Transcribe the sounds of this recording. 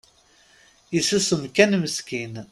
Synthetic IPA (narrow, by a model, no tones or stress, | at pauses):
isusəmkænməskin